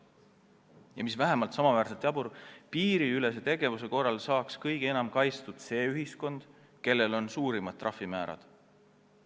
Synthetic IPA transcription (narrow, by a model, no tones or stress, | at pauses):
jɑmisvæɦe̞mɑlt̪sɑmɑvæːɾset̪ˑjɑbuɾpiːɾiyle̞s̬e̞t̪e̞ɡe̞vuse̞ko̞rːɑlsɑːkskɤjɡ̥enɑmkɑjst̪ud̪̥se̞ːyɦisko̞nd̪̥ | ke̞lːe̞lo̞nsuːɾimɑd̪̥̚t̪ːˑrʔɑfːimæːɾɑ̰d̪̥